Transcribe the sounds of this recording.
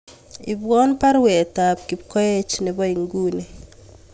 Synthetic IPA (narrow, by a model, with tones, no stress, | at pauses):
i˨bwɔ˦npa˦ɾwe˨ta˨p̚ki˨p̚kɔ˦e˦t͡ʃnɛ˨bɔ˦i˨ŋɡu˦ne˨